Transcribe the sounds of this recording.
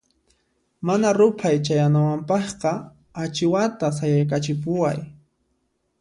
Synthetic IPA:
manaɾʊpʰajt͡ʃajanawampɑχqɑ | at͡ʃɪwat̪as̬ajajkat͡ʃɪpʊwaj

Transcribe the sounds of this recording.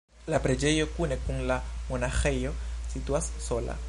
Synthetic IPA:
lapɾed͡ʒejokunekuŋlamonaxejosit̪wassola̰

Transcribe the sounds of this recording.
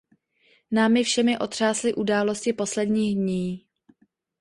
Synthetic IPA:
naːmɪfʃɛmɪʔo̞t̪r̥aːslɪʔudaːlo̞scɪpo̞slɛdɲiːɣdɲiː

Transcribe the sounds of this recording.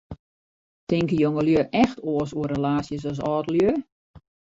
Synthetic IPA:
tɪŋkəjoŋəljøːʔɛxtʰoəsuərəlaːsjəs̬ɔs̬ɔːdəljø

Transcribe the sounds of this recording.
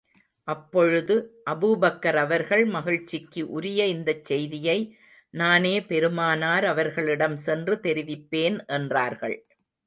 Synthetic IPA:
ʔɐpːɔɻɯðɯʔɐbɯbɐkːɐɾɐʋɐɾɣɐɭmɐɣɪɻt͡ʃːɪkːɯʔʊɾɪjɐɪnd̪ɐt͡ʃːɛjðɪjɐɪ | naːneːpɛɾɯmaːnaːɾɐʋɐɾɣɐɭɪɽɐmsɛndrɯt̪ɛɾɪʋɪpːeːnʔɛndraːɾɣɐ̰ɭ

